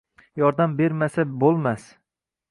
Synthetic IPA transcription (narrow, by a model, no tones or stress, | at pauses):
jɒɾd̪ambe̞ɾmasabolˠmas